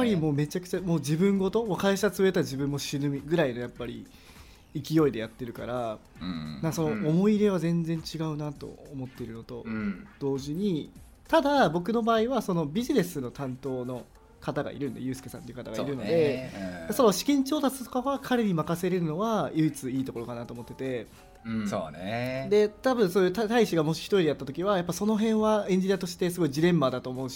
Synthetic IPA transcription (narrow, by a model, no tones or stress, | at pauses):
apːaɾʲimo̞ːme̞t͡ɕakɯ̟̥t͡ɕamo̞ːd͡ʑibɯ̟̃ŋɡo̞t̪o̞okaiɕat͡sɨβe̞t̪aʑibɯ̟̃mːo̞ɕinɯmʲiɡɯ̟ɾaino̞japːaɾʲḭ | ikʲijo̞id̪e̞jat̪ːe̞ɾɯ̟ka̰ɾa | ãŋkaso̞no̞ːmo̞iɾe̞β̞azẽ̞nd͡zẽ̞ɲ̟t͡ɕiɡaɯ̟nat̪o̞̰omo̞t̪ːe̞iɾɯ̟no̞t̪o̞d̪̥o̞ːʑiɲ̟i | t̪ad̪abo̞k̬ɯ̟no̞baːiβaso̞no̞bʲiʑine̞sɨno̞t̪ãnt̪o̞ːno̞ | kat̪aɡa̰ʔḭɾɯ̟nd̪ḛjɯ̟ːsɨ̥kesã̰nt̪ːeiɯ̟kat̪aɡaiiɾɯ̟no̞d̪e̞d̪eso̞noɕi̥kʲĩɲ̟t͡ɕo̞ːt̪at͡sɨ̥t̪o̞kaβakʰaɾe̞ɲ̟imakase̞ɾe̞ɾɯ̟no̞βajɯ̟it͡sɨiːt̪o̞ko̞ɾo̞kanat̪oːmo̞t̪ːe̞t̪e̞ | so̰ːned̪e̞t̪abɯ̟̃ɰ̃soːjɯ̟ːt̪at̪aiɕiɡamo̞ɕi̥çi̥t̪o̞ɾid̪ejat̪ːat̪o̞kʲiβajapːaso̞no̞ɦẽ̞ɰ̃βaẽ̞ɲ̟d͡ʑiɲ̟ʲiat̪o̞ɕi̥t̪e̞sɨɡo̞iʑiɾẽ̞mːbaːd̪at̪o̞ːmoɯ̟ɕi